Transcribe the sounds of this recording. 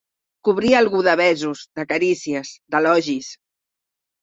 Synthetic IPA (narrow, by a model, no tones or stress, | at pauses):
kuβɾialˠɣuðəβɛzuzd̪əkəɾisiəzd̪əlɔʒis